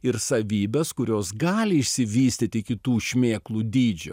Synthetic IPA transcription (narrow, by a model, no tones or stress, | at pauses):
ɪɾsɐʋʲiːbʲɛskʊɾʲoːsɡɑːlʲɪɪʃʲsʲɪʋʲiːsʲt̪ʲit̪ʲɪkʲɪt̪uːʃʲmʲeːklˠuːd̪ʲiːd͡ʒʲʊ̰